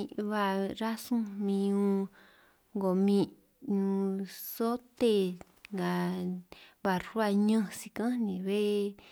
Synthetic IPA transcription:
βa˧ɾa˦sũ˦mĩ˧ũ˧ | ŋɡo˨mĩ˧ | ɲũ˧so˦t̪e˧ | ŋɡa˨ | βa˧˨ɾwa˧ɲə̃˦˧si˧kã˦nĩ˨˧βe˦

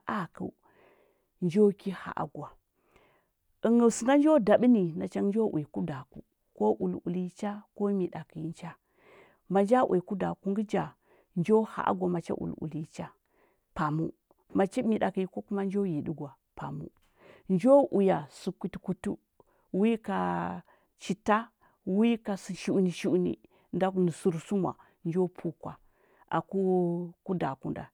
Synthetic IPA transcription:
ʔa˦˨kə̰˨ | nd͡ʒo˦ki˦ha̰˨ʔa̰˨ɡwa˨ | ə˨ŋə˨su˨ŋɡa˦nd͡ʒo˦da˨ɓi˦ni˨na˨t͡ʃa˦nd͡ʒo˦ʔwi˨ku˦da˨kṵ˦ | ko˦ʔu˨lṵ˨li˦t͡ʃa˦ko˦mi˨da˨ki˨ji˦nt͡ʃa˦ | ma˨nd͡ʒa˦ʔwʔi˨ku˦da˨ku˦ŋɡi˦d͡ʒa˨ | nd͡ʒo˦ha̰˨ʔa̰˦ɡʷa˨ma˨t͡ʃa̰˦ʔṵ˨lṵ˨li˦t͡ʃa˦ | pa˨mṵ˦ | ma˨t͡ʃa˦mi˨ɗa˨ki˨i˦ko˦ku˦ma˦n˦d͡ʒo˦ji˨ɗi˦ɡʷa˨ | pa˨mṵ˦ | nd͡ʒo˦ʔu˨ja˨su˨kʷi˨tku˨tu˦ | wi˦ka˨ | t͡ʃi˨ta˦ | wi˦ka˨si˨ʃu˦˨˦ni˨ʃu˦u˦nḭ˨ | nda˦kni˨su˨ɾsu˦ma̰˨ | nd͡ʒo˦pʰu˦kwa˨ | ʔa̰˨ku˦ku˦da˨kṵ˦nda̰˨

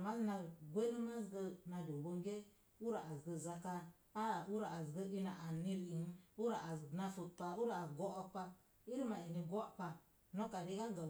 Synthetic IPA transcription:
ma˦zna˧ɡʷe˦ɾi˦ma˦zɡə˧na˧do˨bo˦ɡe˦ | u˦ɾa˨a˨zɡə˧za˧ka˧ | a˦˨u˦ɾa˨a˨zɡə˧i˦na˨a˨ni˦ɾi˨ŋ˦u˦ɾa˨a˨na˧fu˨t̚pa˨u˦ɾa˨a˨ɡo˦ʔa˦pa˧ | i˦ɾi˦ma˨i˨ni˧ɡo˦˨pa˧ | no˦ka˨di˦ka˦ɡa˨

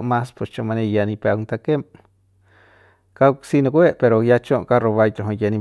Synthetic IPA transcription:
ʔma˦spest͡ʃo˧ʔma˧nejani˧pea˧wnt̪ake˦m | kawsino˧ke˦ʔpe˧ɾojat͡ʃo˦ʔka˦ro˧βajt̪ɾo˨ɦo˧ja˧ni˧

